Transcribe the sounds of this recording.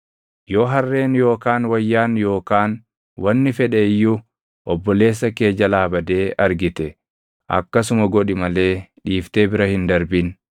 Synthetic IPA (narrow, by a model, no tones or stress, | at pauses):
jo̞ːɦɐrːe̞ːnjo̞ːkaːnwɐjːaːnjo̞ːkaːn | wɐnːɪfɛᶑɛɪjːu | ʔɔbːɔle̞ːs̬ːɐke̞ːd͡ʒɐlaːbɐd̪e̞ːɐɾɡɪt̪ɛ | ʔɐ̰kːɐs̬ʊmɐɡɔᶑɪmɐle̞ːᶑiːft̪e̞ːbɪɾɐhɪnd̪ɐɾbɪn